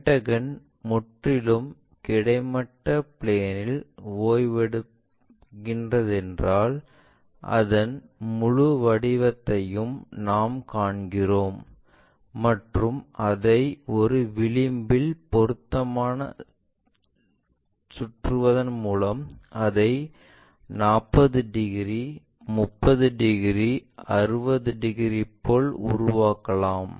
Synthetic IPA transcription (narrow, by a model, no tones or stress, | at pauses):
ʈːɐɣɐn | mʊʈrɪlɯm | kɪɽɐɪmɐʈːɐpɭeːnɪloːjʋɛɽɯ | kɪndrɐðɛndraːl | ʔɐ̰ðɐnmʊɻʊʋɐɽɪʋɐt̪ːɐjɯmnaːmkaːɳɡɪroːmː | ɐʈrɯmɐðɐɪɔɾɯʋɪɭɪmbɪlpɔɾɯt̪ːɐmaːnɐ̰ | sʊʈrɯʋɐðɐnmuːlɐmɐðɐɪ | naːpːɐðɯɖɪɣɪɾi | mʊpːɐðɯɖɪɣɪriɐɾɯbɐðɯɖɪɣɾipːoːɭʊ̰ɾʊʋaːkɐlaːm